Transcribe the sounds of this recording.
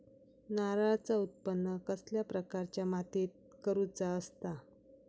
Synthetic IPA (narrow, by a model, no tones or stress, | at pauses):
naɾat͡saut̪̚pənːəkəsljapɾəkaɾt͡ɕjamat̪et̪̚kəɾut͡saəst̪a